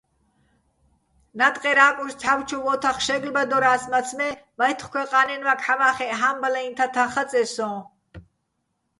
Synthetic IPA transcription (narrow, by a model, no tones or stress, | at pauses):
nat̪ʼqʼɛɾaːkʼuʃt͡sʰawt͡ʃʰuvɔt̪ʰaχʃɛɡlbad̪ɔɾaːsmat͡sʰmɛmajt̪ʰχkʰʷwɛqʼanɛnvakʰħavaːχɛʔɦambalaint̪ʰat̪ʰaχat͡sʼɛsɔ̃ː